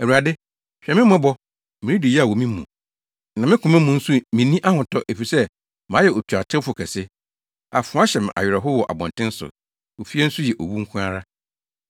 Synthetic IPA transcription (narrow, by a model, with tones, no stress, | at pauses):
ɛ˨wu˨a˨dɪ˦ | ɕᶣɛ˨mɪ̃˦mã˦bɔ˦ | mɪ̃˨nĩ˦di˨jɛ˦a˨wɔ˨mĩ˦mṵ̃˨ | nã˨mɪ̃˦kʰʊ̃˨mɛ̃˦mũ˨n̩˦su˦mɪ̃˨˦nĩ˦ʔa˦hʊ̃˨tɔ˦ʔe˨fi˨sɛ˦ | mã˨˦jɛ˨o˨tʰu˨a˨tʰɪ̃˦fʊ˨kʰɛ˨sɪ˦ | a̰˨fʊ̃˨˦a˦ɕɛ˨m˨a̰˨ɥɪ˨ɾɛ˨ɦʊ˦wɔ˨ʔa̰˨bɔ̰̃˨ntʰɪ̃˦n˦sʊ̰˨ | o˨fi˦ɛ˦n̩˦sʊ˦jɛ˨ʔo˨wu˦ŋ̩˦kʷʰũ˦a˦ɾa˦